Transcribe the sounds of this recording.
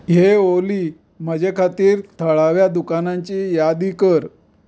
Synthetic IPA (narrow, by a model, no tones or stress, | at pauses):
ɦeoliː | məd͡ʑekʰat̪iːɾt̪ʰəɭaʋjad̪ukanaɲt͡ɕiːjad̪iːkəɾ